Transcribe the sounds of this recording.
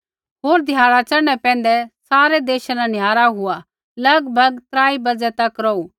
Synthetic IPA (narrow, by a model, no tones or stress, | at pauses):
ɦoːɾd̪ʱjaːɽat͡ʃɐɽ̃ɛpɛ̃ːn̆d̪ɛsaːɾɛd̪eːʃanãnjaːɾaɦʊa | lɐɡbʱɐɡt̪ɾaːibɐd͡zɛt̪ɐkɾɔu